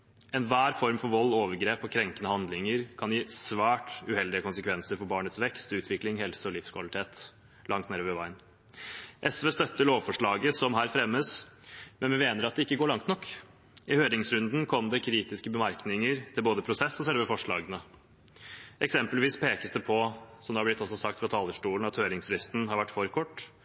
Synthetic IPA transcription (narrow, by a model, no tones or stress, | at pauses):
ɛnʋæːɾfɔɾmfɔɾʋɔlːoːʋəɾɡɾeːpɔkʰɾɛŋkənəhɑnd̪lɪŋəɾkʰɑnjiːsʋæːʈʉhɛld̪ɪəkʊnsəkʰʋɛnsəɾfɔbɑːɳət̪sʋɛkst̪ʉːt̪ʰʋɪklɪŋhɛlsəɔlɪfskʰʋɑlɪt̪ʰeːt̪ | lʔɑŋt̪neːɾøːʋəʋæɪn | ʔɛsʋeːst̪œt̪ːəɭoːʋfɔʂɭɑːɡəsɔmɦæːɾfɾɛmːəsmʔɛnʋɛmeːnəɾɑt̪̚d̪ɛɪkːəɡoːɭɑŋt̪nɔkː | ɪhøːɾɪŋsɾʉnd̪n̩kʰɔmd̪ɛkʰɾiːt̪ɪskəbəmæɾknɪŋəɾt̪ʰɪlboːd̪əpʰɾʊsɛsːɔsɛlʋəfɔʂɭɑːɡənə | ʔɛksɛmpəlʋiːspʰeːkəsd̪əpʰɔsɔmd̪ɛhɑɾblɪt̪ːɔsɔsɑk̚t̪fɾɑt̪ʰɑːləʂʈuːlənɑt̪høːɾɪŋsɾɪst̪n̩hɑɾʋæʈːfɔɾkʰɔʈː